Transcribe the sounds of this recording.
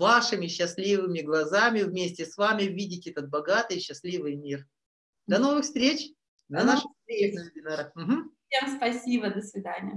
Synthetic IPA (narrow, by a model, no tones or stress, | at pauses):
vaʂɨmʲɪɕːɪsʲlʲivɨmʲɪɡlˠɐzamʲɪvmʲesʲtʲɪsvamʲɪvʲidʲɪtʲɛt̪ət̪̚bɐɡat̪ɨjɕːɪsʲlʲivɨjmʲir | d̪ɐno̞vɨxst̪ɾʲet͡ɕ | nɐnaʂɨsɾʲenəɪbʲɪnaɾəm̩ɦm̩sʲemspɐsʲibəd̪əsvʲɪd̪anʲɪjə